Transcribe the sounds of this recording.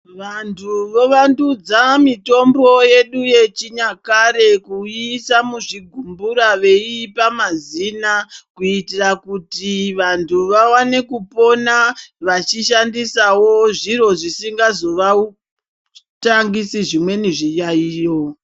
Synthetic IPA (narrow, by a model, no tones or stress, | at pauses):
ʋantʰuʋo̞ʋandud͡zamito̞mbo̞je̞ɗuje̞t͡ʃiɲakaɾe̞kuisamuʐiɡʱumbuɾaʋe̞ipamazinakuitirakutiʋantʰuʋawane̞kupo̞naʋat͡ʃiʃandisawo̞ʐiro̞ʐisiŋɡazo̞ʋau | taŋɡisiʐimwe̞niʐijaiːjo̞